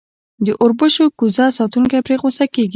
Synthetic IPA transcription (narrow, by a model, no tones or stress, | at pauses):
d̪əʔʊɾbəʃokuzɑsɑt̪uŋkajpɾeɣosakeɡi